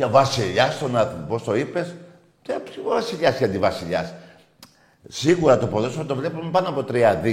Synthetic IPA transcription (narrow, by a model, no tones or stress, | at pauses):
ɐvɐsiʎɐst̪onɐpo̞st̪o̞ipe̞s | t̪epsiovɐsiʎɐsçɐnd̪ivɐsiʎɐs | siɣuɾɐt̪opoðosot̪ovle̞pumpɐnoɐpot̪ɾiɐði